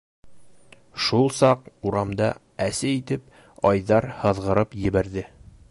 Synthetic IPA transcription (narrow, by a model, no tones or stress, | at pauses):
ʃulˠsɑquɾɑmd̪ɑ | æsæit̪ɘp | ɑjðɑɾhɤ̆ðʁɤ̆ɾɤpjɘ̆βæɾðɘ